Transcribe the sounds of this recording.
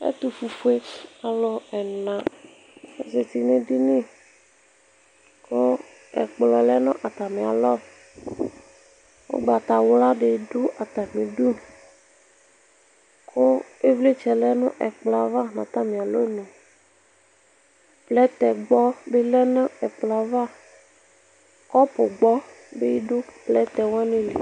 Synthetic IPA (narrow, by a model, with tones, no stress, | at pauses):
ḛ˦t̪u˨fu˨fu˦e˦a˨lɔ˦ɛ˨nã˨ | e˨se˨t̪i˨nẽ˦ɖi˦nẽ˦ | ko˦ | ɛ̰˨k͡plɔ˨lɛ˦nɔ̰̃˦ʔa˨t̪a˨mẽ˨a̰˨lɔ˦ | wo̰˦ɡ͡ba˨t̪a˨wo˦la˦ɖe˨ɖu˦a˨t̪a˨mẽ˨ɖu˦˨ | kʰo˦e˦vle˦t͡ʃɛ˨lɛ˦nṵ̃˦ʔɛ̰˨k͡plɔ˨a˨va˦nã̰˨t̪a˦mĩ˨a˨lo˦nũ˨ | plɛ˦t̪ɛ˨ɡ͡bɔ˦be˦lɛ˦nã˦ɛ˨k͡plɔ˨a˨va˦ | kɔ˦po˨ɡ͡bɔ˦ | be˦ji˦ɖu˦plɛ˦t̪ɛ˨wã˦nẽ˦lḛ˨